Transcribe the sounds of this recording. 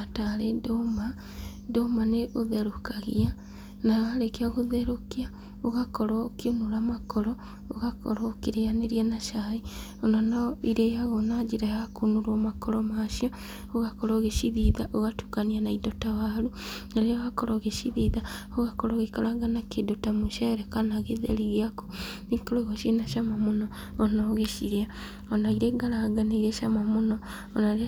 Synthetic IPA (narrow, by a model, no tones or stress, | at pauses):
ataɾedoma | domaneʔoðeɾokaɣḭa | naaɾekeaɣoðeɾokia | oɣakɔɾɔkionuɾamakɔɾɔ | oɣakʰɔ̰ɾɔːkiɾeaneɾianaʃai | onanaiɾejaɣonad͡ʒiɾahakonuɾomakɔɾɔmaːʃiɔ | oɣakɔɾɔɣeʃiðiðaʔoɣatu̥kanianaidotawaɾunaɾeɔakɔɾɔɣeʃiðiða | oɣakɔɾɔɣekaɾaɡanakedotamoʃaɾɛkanaɣeðḛɾiɣeako̥nikoɾɔiɣɔʃenaʃamamonɔː | nɔɣeʃiɾia | ɔnaiɾeɡaɾaɡaneiɾeʃamamonɔː | naɾ